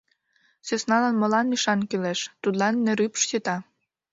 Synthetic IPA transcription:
sesnɑlɑnmolɑnyʃɑnkyleʃt̪ud̪lɑnːĕɾypʃt͡ɕet̪ɑ

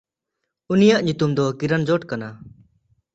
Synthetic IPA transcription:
unijaʔɲut̪umd̪ɔkiɾand͡ʒɔʈkana

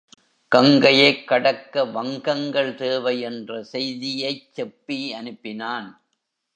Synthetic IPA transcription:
kɐŋɡɐjɐɪkːɐɽɐkːɐʋɐŋɡɐŋɡɐɭt̪eːʋɐɪɛndrɐsɛjðɪjɐɪt͡ʃːɛpːiɐnɯpːɪnaːn

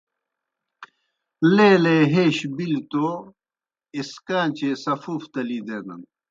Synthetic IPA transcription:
leːleɦeːɕbilt̪o | iskaːnt͡ɕesɐfuft̪ɐlid̪eːd̪ɐ̰n

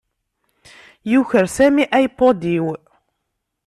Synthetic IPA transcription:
juçəɾsæmiʔæjpːod̪iw

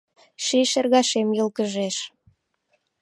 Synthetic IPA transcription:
ʃiʃerɣɑʃemjəlkəʒeʃ

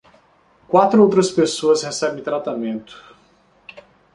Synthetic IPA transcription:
kwat̪ɾʊowt̪ɾɐspesoɐshesɛbẽj̃t̪ɾat̪amẽnt̪ʊ̥

